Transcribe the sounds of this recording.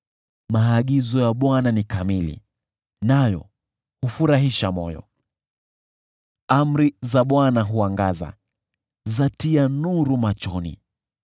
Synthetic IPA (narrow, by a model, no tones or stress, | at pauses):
maːɠizɔjaɓwananikamilḭ | najɔ̰ | hufuɾaɦiʃamɔ̰jɔ̰ | am̩ɾizaɓwanaɦuaŋɡaza̰ | zatianuɾumat͡ʃɔnḭ